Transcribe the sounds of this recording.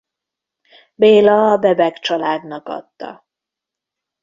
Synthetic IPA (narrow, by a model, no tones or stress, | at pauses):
beːlɒːbɛbɛkt͡ʃɒlaːd̪nɒkɒ̰t̪ːɒ̰